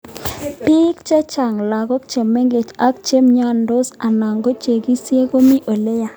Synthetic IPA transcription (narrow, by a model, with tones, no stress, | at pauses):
pi˦kt͡ʃɛ˦t͡ʃa˨ŋla˨ɡɔ˦k̚t͡ʃe˨mːe˦ŋɡe˨t͡ʃa˦k̚t͡ʃe˦mɲa˦ndo˦sa˨na˨ŋɡo˦t͡ʃe˨ɡi˦sje˦ko˦mi˦ʔo˨le˦ja˦˨